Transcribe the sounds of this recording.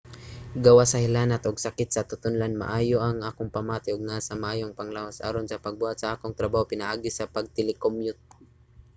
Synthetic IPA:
ɡɐwasɐhɪlaːnat̪ʔoɡsɐkɪt̪̚sɐt̪ʊt̪ʊnlanma̰ʔaːjoʔɐŋʔaːkoŋpɐmaːt̪ɪʊɡ̚nasɐmaʔaːjoŋpɐŋlawasʔa̰ɾonsɐpɐɡ̚buhat̪sɐʔaːkoŋt̪ɾɐbaːhopɪnɐʔaːɡɪsɐpɐɡ̚t̪ɪlɪkomjʊt̪̚

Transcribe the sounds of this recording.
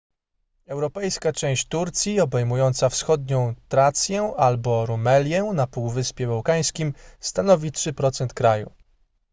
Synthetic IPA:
ɛwɾɔpɛjskat͡ʂɛ̃w̃ɕt͡ɕt̪uɾt̪sʲjiɔbɛjmujɔnt̪safsxɔd̪ɲɔ̃w̃t̪ɾat̪sʲjɛalbɔɾumɛlʲjɛnapuwvɘspʲjɛbawkaj̃skʲimst̪anɔvʲitʂɘpɾɔt̪sɛnt̪kɾajṵ

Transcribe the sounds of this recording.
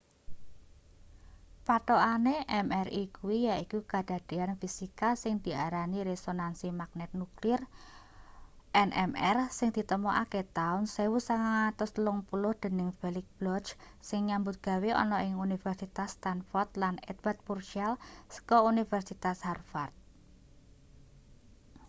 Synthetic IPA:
paʈ̪ɔʔaneʔɛmɛrikuwijaikukad̪̥a̤d̥eanfisikasɪŋd̪̥i̤aɾaniɾesonansimak̚nɛt̪̚nuklir | ʔɛnʔɛ̰mɛrsɪŋd̪̥i̤t̪əmɔʔaket̪aʊnsewusaŋaat̪ʊslʊŋpulʊhd̪̥ə̤nɪŋfelɪk̚b̥lɔt͡ʃ | sɪŋɲambʊt̪̚ɡ̥a̤weʔɔ̰nɔʔɪŋunifɛrsit̪ast̪anfɔrt̪lanɛ̰d̪̚bat̪̚purʃialsə̥kɔunifɛrsit̪asharfart̪̚

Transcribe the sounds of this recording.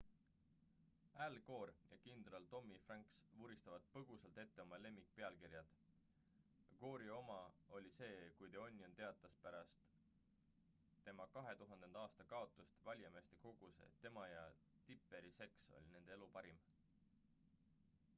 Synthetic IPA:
ælɡo̞ːɾjɑ̰kind̪̥ɾɑlt̪o̞mːifrɑŋksvuɾist̪ɑvɑt̪̚pɤɡ̥usɑlt̪e̞t̪ːe̞o̞mɑle̞mːik̚pe̞ɑlkiɾjɑd̪̥ | ko̞ːɾio̞mɑo̞lʲise̞ːkujd̪eo̞nʲːjo̞nt̪e̞ɑt̪ːˑɑspæɾɑst̪ | t̪ːe̞mɑkɑɦe̞t̪uɦɑnd̪̥e̞nd̪ɑːst̪ɑkɑo̞t̪ːˑust̪vɑlʲjɑme̞ːst̪e̞ko̞ɡ̥use̞̰t̪e̞mɑjɑ | t̪ipːˑe̞ɾise̞kso̰lʲine̞nd̪eelupɑɾim

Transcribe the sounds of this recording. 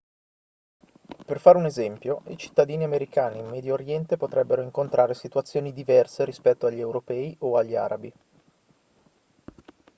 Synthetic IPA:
perfaːɾeunezɛmpjoḭt͡ʃi̥t̪ːad̪iːniameɾikaːnimːɛd̪joːɾjɛnt̪epot̪ɾɛbːeɾoiŋkont̪ɾʔaːɾesit̪wat̪sːjoːnid̪ivɛrseɾispɛt̪ːoaʎːiewɾopɛːiʔoaʎːia̰ːɾabi

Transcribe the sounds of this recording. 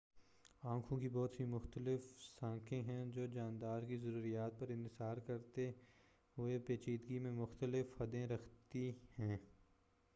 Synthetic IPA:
ãːkʰõkibɔːt̪ɦimʊxt̪əlɪfsãːkʰẽɦɛ̃d͡ʒoːd͡ʒãːnd̪aːɾkizɐɾuːɾijaːt̪̚pɐɾɪ̃nt̪ɪsaːɾkɐɾt̪e | ɦʊepeːt͡ʃiːd̪ɡimẽmʊxt̪əlɪfhɐd̪ẽɾɐkʰt̪ihɛ̃ː

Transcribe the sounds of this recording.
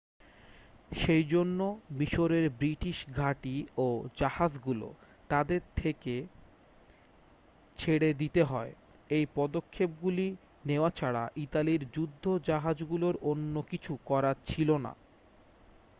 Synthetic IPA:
ʃejd͡ʑonːomiʃoɾeɾbɾiʈiʃɡʱaʈiod͡ʑahad͡ʑɡulo̰ | t̪ad̪eɾt̪ʰeke | t͡ɕʰeɽed̪it̪eɦɔe | ejpɔd̪okʰːep̚ɡuli | neoat͡ɕʰaɽaʔit̪aliɾd͡ʑud̪ʱːod͡ʑaɦad͡ʑɡuloɾonːokit͡ɕʰukɔɾat͡ɕʰilona̰

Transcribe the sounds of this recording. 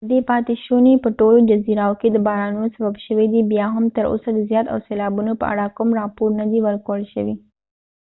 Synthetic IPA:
d̪epaːt̪iʃunepəʈolod͡ʒɐziɾaoked̪əbaːɾaːnosɐbabʃəʋed̪ibjaːɦɐmt̪ɐɾo̰sad̪əzjaːt̪a̰wseːlaːbunopə̰ʔa̰ɽakʊmɾapuɾnɐd̪iʋɐɾkoəɭʃəʋi

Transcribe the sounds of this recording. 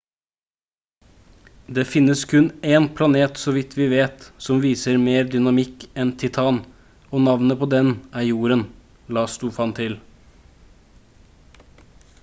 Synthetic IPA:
d̪eːfɪnːəskʰʉneːnpʰlɑneːt̪sɔːʋɪt̪ʰʋɪːʋeːt̪sɔmʋiːsəɾmeːɾd̪ʏnɑmɪkɛnt̪ʰɪt̪ʰɑːn | oːnɑʋnəpʰoːd̪ɛnʔæːɾjuːɾən | lɑːst̪uːfɑnt̪ʰɪl

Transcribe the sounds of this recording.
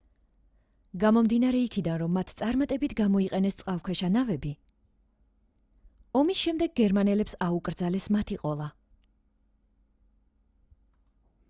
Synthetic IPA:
ɡamɔmd̪inaɾɛikʰid̪anɾɔmːat̪ʰt̪sʼaɾmat̪ʼɛbit̪ʰɡamɔiqʼɛnɛst̪sʼqʼalˠkʰwɛʃanavɛbi | ɔmisʃɛmd̪ɛɡ̚ɡɛɾmanɛlɛpsaukʼɾd̪zalɛsmat̪ʰiqʼɔlˠa

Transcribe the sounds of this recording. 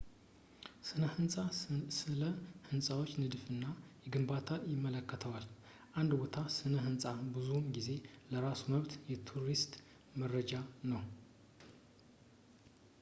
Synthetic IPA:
sɨnəhɨnsʼasɨləhɨnsʼawot͡ʃːnɨd̪fɨnːajɛɡɨmbat̪ʰajɪmːələkːət̪ʰəwal | ʔand̪bot̪ʰasɨnəɦɨnsʼabɨzumɡize̞ləɾasuməβt̪jɛt̪ʰuɾist̪ | mərəd͡ʒanəw

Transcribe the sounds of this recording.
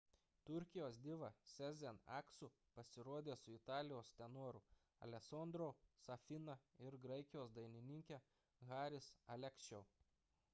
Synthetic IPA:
t̪ʊɾʲkʲɪjoːsd̪ʲɪʋɐsʲɛzʲɛnɑ̰ːksʊ | pɐsʲɪɾuɔːd̪ʲeːsʊɪt̪ɑːlʲɪjoːsʲt̪ʲɛnuɔɾʊ | ɐ̰lʲɛsoːnd̪ɾoːsɐfʲɪnɐɪɾɡɾɐɪkʲɪjoːsd̪ɐɪnʲɪnʲɪŋʲkʲɛ | ɣɑːɾʲɪsɐlʲɛkst͡ʃʲɛʊ

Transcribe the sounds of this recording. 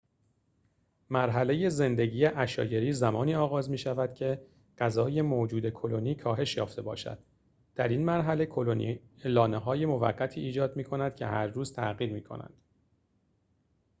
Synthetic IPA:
mæɾɦæle̞je̞ze̞nd̪e̞ɟiːjeʔæʃɒ̰ːje̞ɾiːzæmɒːniːɒːɣɒːzmiːʃævæd̪̥cʰe̞ | ɢ̥æzɒːje̞moːd͡ʒuːd̪e̞kʰoloniːkʰɒːɦe̞ʃjɒːft̪e̞bɒ̰ːʃæ̰d̪̥ | d̪̥æɾinmæɾɦæle̞kʰolonḭelɒːneɦɒːje̞mo̞væ̰ɢːæt̪ʰiːiːd͡ʒɒːd̪miːkʰo̞næd̪̥cʰe̞̰hæ̰ɾːuːz̥t̪ʰæ̰ʔɣiːɾmiːkʰo̞̰næ̰nd̪̥

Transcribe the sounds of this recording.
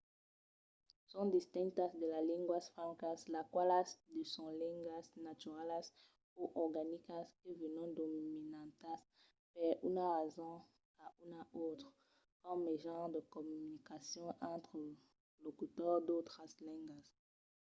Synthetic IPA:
sɔ̃d̪ist̪ɛ̃ŋkt̪asd̪əlalĩŋɡwasfʁãŋkaslakwalasd̪əsɔ̃lɛ̃ŋɡwasnat̪yʁalas | uʔɔʁɡanikaskəvənɔ̃d̪ominãt̪as | pɛʁynaʁezɔ̃ | aunaʔot̪χ | kɔmeʒɑ̃ʁd̪əkɔmynikasjɔ̃ʔɑ̃t̪χə | lokyt̪ɔʁd̪ot̪ʁaslɛ̃ŋɡas

